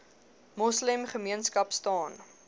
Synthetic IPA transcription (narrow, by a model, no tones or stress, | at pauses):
mɔsləmχəmiənskɐpstɑːn